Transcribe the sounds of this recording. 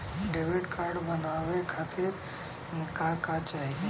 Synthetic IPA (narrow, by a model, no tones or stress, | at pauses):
ɖebeʈkaːɾɖbənaːwekʰaːt̪ɪɾ | kakat͡ʃaːɦie